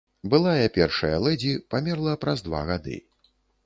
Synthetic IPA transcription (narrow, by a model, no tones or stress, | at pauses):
bɨlˠajɐpʲɛrʂɐjɐ̰lˠɛd͡zʲipamʲɛrlˠɐpɾazd̪va̰ɣad̪ɨ̰